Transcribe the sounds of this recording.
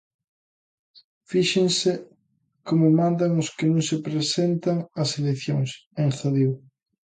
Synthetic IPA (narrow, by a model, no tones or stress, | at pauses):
fiʃeŋsɪ | komʊmãnd̪ɐŋʊskɪnõŋsepɾesent̪ɐŋɐseleθjoŋseŋxaðiw